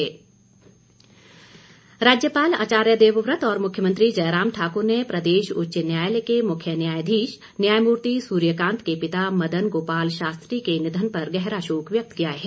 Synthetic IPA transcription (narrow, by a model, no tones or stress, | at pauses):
ɾaːd͡ʒjəpaːla̰ːt͡ʃaːɾjəd̪eːʋʋɾət̪ɔːɾmʊkʰjəmə̃nt̪ɾid͡ʒɐjɾaːmʈʰaːkʊɾnepɾɐd̪eːʃʊ̰tːʃənjaːjlekemʊkʰjənjaːjd̪ʱiːʃ | njaːjmuːɾt̪isuːɾjəkãːnt̪kepɪt̪amɐd̪ənɡoːpaːlʃaːst̪ɾikenɪd̪ʱənpɐɾɡɛɦɾaʃoːkʋjɐk̚t̪kijaɦɛː